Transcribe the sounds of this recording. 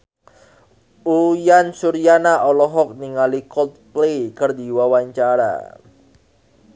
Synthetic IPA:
ujansuɾijanaʔɔlɔɦɔk̚niŋalikɔt̪̚plekərd̪i̤wawaɲt͡ʃaɾa̰

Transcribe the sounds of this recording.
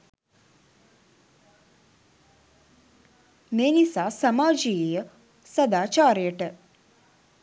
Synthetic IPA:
neːnisaːsɐmaːd͡ʒijejə | sɐd̪aːt͡ʃaːɾeʈ

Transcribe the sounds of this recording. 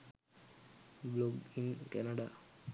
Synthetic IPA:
bloɡiŋkɛnaɖaː

